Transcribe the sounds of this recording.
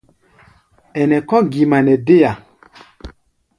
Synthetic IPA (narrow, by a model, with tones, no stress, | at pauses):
ɛ˨nɛ˨kɔ̃˦ɡi˨ma˨nɛ˨de˦ja˨